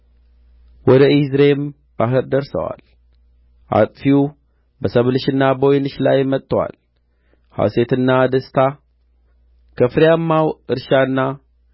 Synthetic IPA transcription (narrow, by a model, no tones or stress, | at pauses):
wɔd̪əizɾem | b̥aɦɨɾd̪əɾsə̰wa̰l | ʔa̰t̪ʼfiu | bəsəβlɨʃɨnːabojnɨʃlajmət̪ʼːəwa̰l | ha̰se̞t̪ɨnːad̪əst̪ʰa | kʰəfɨɾjamːawɨɾʃanːa